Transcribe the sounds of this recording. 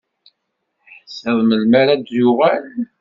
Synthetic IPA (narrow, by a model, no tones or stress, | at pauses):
ħsəðˤməlmæɾad̪jʊʁæl